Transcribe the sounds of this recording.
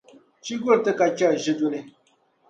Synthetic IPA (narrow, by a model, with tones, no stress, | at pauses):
t͡ʃi˦ɡo˦ɾtɨ˦ka˨t͡ʃa˦˨ʒɪ˦do˦nɪ˦